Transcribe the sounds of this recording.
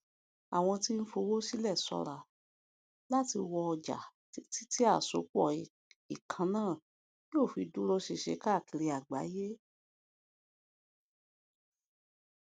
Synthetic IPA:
a˨w̃ɔ̃˧ti˦n̩˦fo˧wo˦si˦lɛ˦˨sɔ̰˧ɾa˨ | la˦ti˧wɔ˧ɔ˧d͡ʒa̰˨˦ | ti˦ti˦a˦˨so̰˨˦k͡pɔ˦˨ | i˨kʰã˧˦nãː˦˨ | i˦o˦˨fi˧du˦ɾɔ˦ʃe˧˨ʃḛ˨˦ka˦˨ki˨˧ɾe˧a˨ɡ͡ba̰˨˦je˦

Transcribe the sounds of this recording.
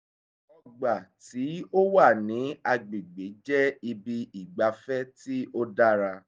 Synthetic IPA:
ɔ˦˨ɡ͡ba˨ti˨˦o˦wa˦˨nĩ˨˦a˧ɡ͡be˨ɡ͡be˨˦d͡ʒɛ˦i˧bi˧i˨ɡ͡ba˧fɛ˦ti˦ʔo˦da˦ɾa˧

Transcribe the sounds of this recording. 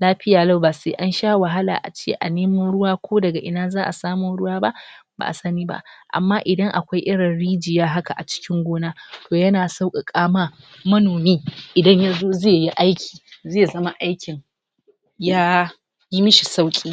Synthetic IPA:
laː˦ɸɪ˦jaː˨la˦wba˨seː˦ʔa˦nʃaː˦wa˨ɦa˦la̰ː˨ʔa̰˨t͡ʃḛː˦˨ʔa̰˨neː˦mɐ˦nɽʊ˦waː˦kʷʰoː˦dɐ˨ɡa˨ʔɪ˨naː˦zaː˦ʔa̰˨saː˦mʊ˦nɽʊ˦waː˦ba˦ʔba̰ː˨ʔa˨sɐ˦niː˦ba̰˦ʔʔa̰˨mːaː˦ʔɪ˨dɐ˦ŋʔa˨kʷa˦jʔɪ˦ɽɪ˨nɽiː˦d͡ʒɪ˨jaː˦ɦa˦ka˨ʔa˨t͡ʃɪ̥˦kʲɪ˦ŋɡʷoː˦naː˦tʰoː˨jɐ˦naː˨sa˦wkʼa˨kʼaː˦maː˦ | mɐ˦noː˨miː˦ʔɪ˨dɐ˦ɲja˦zoː˦zeː˦˨ji˦ʔa˦jkʲʰi̥ː˨zeː˦˨zɐ˦ma˦ʔa˦jkʲɪ˨ŋ | jaː˦ | ji˦mɪ˦ʃi˨sa˦wkʲʼiː˦

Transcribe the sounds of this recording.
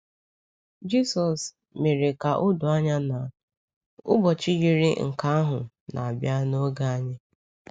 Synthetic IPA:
d͡ʒi˦sɔ˨s | me˨ɾe˨ka˨ʔʊ˦dʊ˨a˦ɲa˦na˨ | ʊ̰˦bɔ˨t͡ʃi˦ɡi˦ɾɪ˦ŋ̩˨ka˨˦a˦ɦʊ˨ | na̰˨a˨bja˦no˦ɡa˦a˦ɲɪ˦

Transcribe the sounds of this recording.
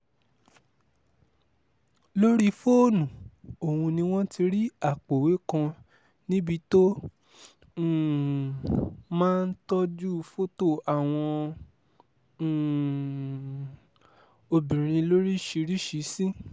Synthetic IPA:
lo˦ɾi˦fo˦˨nũ˨o˨hũ˧nĩ˧w̃ɔ̃˦ti˧ɾi˦a˦˨k͡po˨we˨˦kã˧ | nĩ˦bi˦to˦˨ | mãː˦˧n̩˦tɔ˦d͡ʒu˦˧fo˦to˦˨a˨w̃ɔ̃˧˨ | o˧bĩ˨ɾ̃ĩ˧lo˦ɾi˦ʃi˧˦ɾi˦ʃi˨˦sĩ˦

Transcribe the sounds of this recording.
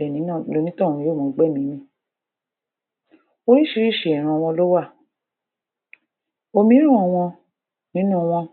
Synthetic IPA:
ɛ˨nĩ˨˦ã˦˨lo˧nĩ˦tɔ̃˦˨ĩ˧joː˦˨mɔ̃˨˦˨ɡ͡bɛ˦˨mĩ˨˦nĩ˧˦ | o˦i˦ʃi˧ɾi˦˨ʃe˨ɛ˨ɾ̃ã˧w̃ɔ̃˧lo˦wa˦˨ | o˧mĩ˨˦ɾ̃ũ˦ɔ˧w̃ɔ̃˧ | nĩ˦nũ˦˧w̃ɔ̃˧

